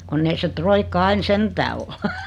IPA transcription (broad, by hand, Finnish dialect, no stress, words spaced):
kunː ei se troikːɑ ɑin sentæː ol